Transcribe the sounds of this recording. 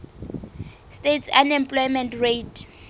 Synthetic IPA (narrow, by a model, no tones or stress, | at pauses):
stʼetsanɛmpʼlɔjmɛntretʰ